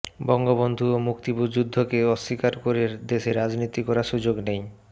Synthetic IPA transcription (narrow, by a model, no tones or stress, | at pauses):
bɔŋɡobond̪ʱuomukt̪ibud͡ʑud̪ʱːokeɔʃːikaɾkoɾeɾd̪eʃeɾad͡ʑnit̪ikɔɾaʃud͡ʑoɡnej